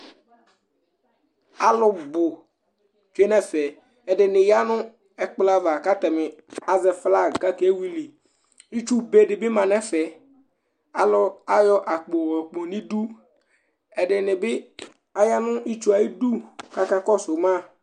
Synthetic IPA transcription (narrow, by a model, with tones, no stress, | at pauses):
a˨lʊ˦bʊ˨ | t͡ʃe˦nɛ˦fɛ˨ | ɛ˨dɪ˨nɪ˨ja˦nʊ̃˦ | ɛ˨k͡pla˦va˨ka˦t̪ɛ˨mɪ˨a˨zɛ˨fla˦˨ɡa˦ke˦wi˦li˨ | i˦t͡ʃu˦be˨dɪ˨bɪ˦mã˨nɛ˦fɛ˨ | a˨lʊ˦a˦jɔ˦ʔa˨k͡po˨wɛ˨k͡pɔ˨nĩ˦du˦ | ɛ˨ɖɪ˨nɪ˨bɪ˦ | a˨ja˦nʊ˦i˦t͡ʃu˦a˨ji˦du˦ka˦ka˦kɔ˦sʊ˨mã˦˨